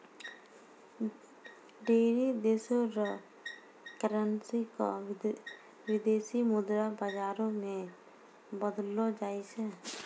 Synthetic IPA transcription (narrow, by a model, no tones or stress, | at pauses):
ɖeːɾid̪esoɾə | kəɾənsiko̰ | wɪd̪eːsimʊd̪ɾabəd͡ʒaːɾõmẽ | bəd̪lod͡ʒaːisɛ